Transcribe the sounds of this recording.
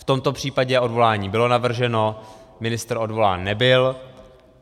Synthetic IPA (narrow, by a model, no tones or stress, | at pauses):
ft̪o̞mt̪o̞pr̝̥iːpaɟɛʔo̞dvo̞laːɲiːbɪlo̞navr̩ʒɛno̞mɪnɪst̪rʔo̞dvo̞la̰ːnːɛbɪl